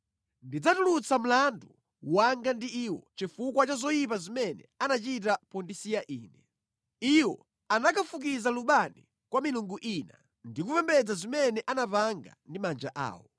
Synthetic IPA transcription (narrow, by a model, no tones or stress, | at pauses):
ndid͡zatulut͡sam̩landu | waŋɡandiiwɔ̰t͡ʃifukwat͡ʃazɔjip̬azimɛnɛ̰anat͡ʃitapɔndisijaʔiːnɛ | iwɔ | anakafuk̬izaluɓanḭ | kwamiluŋɡuʔina̰ | ndik̬upɛmbɛd͡zazimɛnɛʔanapaŋɡa̰ndimand͡ʒaʔa̰ːwɔ